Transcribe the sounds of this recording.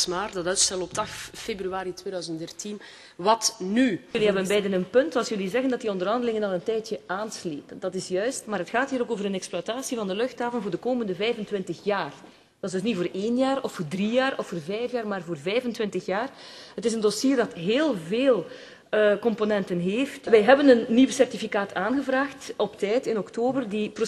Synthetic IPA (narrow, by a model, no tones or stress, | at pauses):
smaːrdɑtœɥtstɛlənɔp̚tɑxfebryaːɾitweːdœːzəntdɛrtin | ʋɑtnyəliɦɛbənbɛjdənənpɵntɑlˠsjɵlizɛɣəndɑt̚diɔndərɦɑndəlɪŋənɑlˠəntɛjtjəʔaːnsleːpəndɑtɪsjœɥstmaːɾɦətxaːthiːɾoːkoːvəɾənɛkspluataːsivɑndəlɵxtaːvəntvoːrdəkoːməndəvɛjvəntʋɪntəxjaːr | d̥ɪzdɵs̬nitvoːreːnjaːrɔfːoːrdrijaːrɔfːoːrvɛjfjaːrmaːrvoːrvɛjvəntʋɪntəxjaːrɦətɪzəndosiːrdɑtɦeːlˠveːlˠ | əkɔmponɛntənɦeːftʋɛjɦɛbənənːiwəsɛrtifikaːtʰaːnɣəvraːxtʔɔptɛjtɪnɔktoːbərdipro